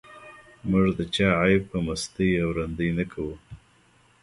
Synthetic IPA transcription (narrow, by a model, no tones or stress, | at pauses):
muʐd̪ət͡ʃɑʕajpəmast̪əjawɾand̪əjnakʰawu